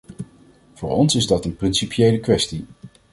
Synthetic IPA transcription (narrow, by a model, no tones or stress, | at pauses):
v̥ʊːɹɔnsɪzdɑtənprɪnsipjejləkʋɛsti